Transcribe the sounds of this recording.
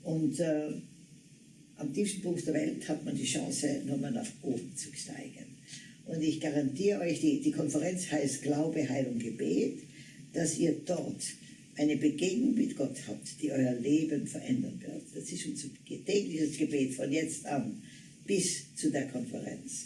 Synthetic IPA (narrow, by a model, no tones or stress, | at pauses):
ʔʊntː | ʔamtʰiːfstn̩pʰʊŋktd̥eːɐvɛ̰lthatmandiːʃɑ̰̃ːsənuːɐmaːlna̰χʔoːbm̩t͡su̥ta̰ɪɡ̥ənʔʊntɪçɡ̥aʁantiːʁəʔɔʏçd̥iːd̥iːkʰɔnfɛʁɛnt͡shaɪst̚ɡ̥laʊbəɦaɪlʊŋɡ̥əbḛːt | d̥asiːɐd̥ɔʁt | ʔaɪnəbəɡeːɡnʊŋmɪtɡ̥ɔthaːp̚td̥iːʔɔʏɐleːbənfɛɐʔɛndɐ̰nvɪ̰ɐtd̥asɪstʃont͡s | tɛːklɪçəsɡ̥əbeːtfɔnjɛt͡stʔan | b̥ɪst͡sudeːɐkʰɔnfɛ̰ʁɛ̰nt͡s